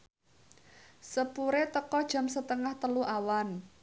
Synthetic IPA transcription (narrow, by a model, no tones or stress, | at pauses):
səpuɾet̪əkɔd̥ʒ̥a̤msət̪əŋaht̪əluʔawan